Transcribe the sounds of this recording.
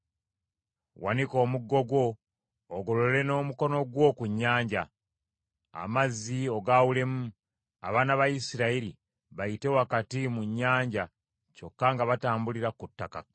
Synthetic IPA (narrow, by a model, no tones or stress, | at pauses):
wa̰niko̞ːmuɡːo̞ɡwo̞ː | ɡo̞lo̞le̞no̞ːmuko̞no̞ɡwo̞kuɲːaːɲɟa | a̰mazːio̞ɡawule̞mu | a̰βanaβajisiɾaiɾḭ | βajite̞wakatimuɲːaːɲɟa | t͡ʃo̞kːaŋɡaβataːmbuliɾakutːaka̰